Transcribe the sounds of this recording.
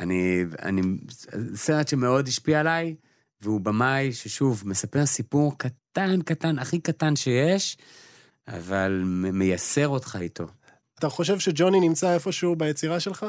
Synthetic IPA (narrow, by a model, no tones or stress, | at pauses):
ania̰ni | seʁetʃeme̞o̞d̪iʃpiaalaj | veubamajʃeʃuvme̞sape̞ʁsipuʁkatankatanaχikatanʃe̞jeʃ | a̰valmeme̞jase̞ʁo̞tχaitʰo̞̰ | at̪aχo̞ʃe̞vʃed͡ʒo̞ninimt͡saefo̞ʃubajet͡siʁaʃe̞lχa